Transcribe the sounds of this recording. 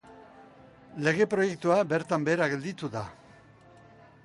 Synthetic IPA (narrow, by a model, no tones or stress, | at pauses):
le̞ɣ̞e̞pɾo̞je̞kt̪uabe̞ɾt̪ambe̞ːɾaɣe̞ld̪it̪uða